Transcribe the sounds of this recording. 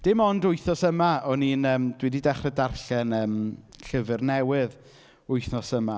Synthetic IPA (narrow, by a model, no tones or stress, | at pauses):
d̥ɪmɔndʊɨθnɔsəmaɔniːnəːmd̥wididɛχrɛdarɬɛnəːmɬəvɨrnɛwɨð | ʊjθnɔsəma